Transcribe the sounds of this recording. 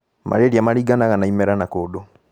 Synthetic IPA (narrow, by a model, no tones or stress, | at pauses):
mʔa̰ɾeɾiamaɾiɡanaɣanaimɛɾanakodo